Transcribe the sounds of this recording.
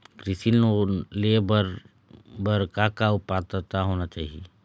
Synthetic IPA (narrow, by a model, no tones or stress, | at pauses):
kɾɪsilolebəɾ | bəɾkakaʊpat̪ət̪aɦoːnat͡ʃaːɦie